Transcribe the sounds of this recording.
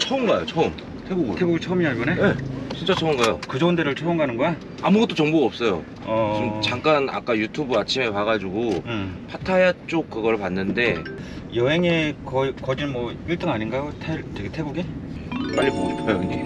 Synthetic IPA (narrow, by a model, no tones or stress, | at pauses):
t͡ɕʰʌɯmɡajot͡ɕʰʌɯm | tʰebuɡɯtʰeɡuɡit͡ɕʰʌɯmiɲabʌnee̞t͡ɕʰint͡ɕ͈at͡ɕʰʌɯmɡajokɯd͡ʑʌundeɾɯɭt͡ɕʰʌɯmɡanɯnɡʌja | amuɡʌt͈ot͡ɕʌŋboɡaʌp̚s͈ʌjo̰ | ʌimt͡ɕaŋk͈ana̰k͈ajutʰubɯat͡ɕʰime̞paɣad͡ʑuɡopʰatʰajat͡ɕ͈ok̚k͈ɯɡʌɭpanːɯnde̞jʌɦe̞ŋe̞kʌkʌd͡ʑinmwʌiɭt͈ɯŋaɲinɡajotʰeteɡetʰe̞ɡuɡep͈aɭːipod͡ʑipʰajoiɲe